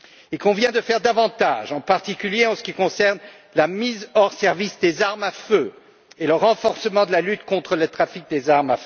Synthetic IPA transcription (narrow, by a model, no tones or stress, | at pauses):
ilkɔ̃vjɛ̃d̪əfɛʁd̪avɑ̃t̪a̰ʒɑ̃paʁt̪ikʲyljeɑ̃sə̥kʲikɔ̃sɛʁn | lamizɔʁsɛʁvisd̪ezaʁmafø | eləʁɑ̃fɔʁsəmɑ̃d̪əlalyt̪kɔ̃t̪χələt̪χafik̚d̪ezaʁmafø